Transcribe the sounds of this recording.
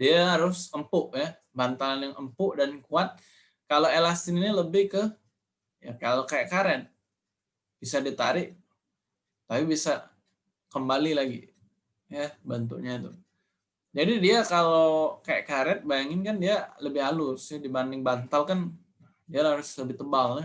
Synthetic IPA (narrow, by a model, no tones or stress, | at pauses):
diaɦaɾʊsəmpʊʔja | bant̪alanjaŋʔəmpʊʔdankuat̪̚ | kaloelast̪ɪniniləbɪhkə | ja̰kalokaɛʔkaɾɛt̪̚ | b̥isadit̪a̰ɾɪʔ | t̪apibisa | kəmbalilaɡḭ | jabant̪ṵʔɲat̪u | d͡ʒadidiakalokaaʔkaɾɛt̪̚bajaŋɪnkandialəbɪhalʊsadibandɪŋbant̪alkan | dialaaɾʊsləbɪht̪əbala